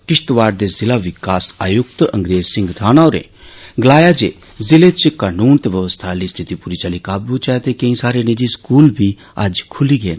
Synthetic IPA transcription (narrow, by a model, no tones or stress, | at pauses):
kɪʃt̪ʋaːɾd̪ezɪlaʋɪkaːsaːjʊk̚t̪ɐ̰̃ŋɡɾeːd͡ʒsɪ̃ŋɡd̪ʰaːnaoɾḛ̃ː | ɡlaːjad͡ʒḛː | zɪlet͡ʃkaːnuːnt̪eʋɐʋəst̪ʰaːlist̪ʰit̪ipuːɾit͡ʃaːlikaːbut͡ʃat̪ekɐ̃ĩsaːɾenid͡ʒiskuːlbʱi | ɐ̰d͡ʒkʰʊliɡeːn